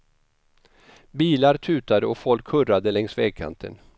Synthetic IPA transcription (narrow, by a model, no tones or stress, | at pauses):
biːlaɾt̪ʰʉ̟ːt̪ad̪əɔfɔlkʰhɵrːad̪əlɛŋsvɛːɡ̚kʰa̰nt̪ʰə̰n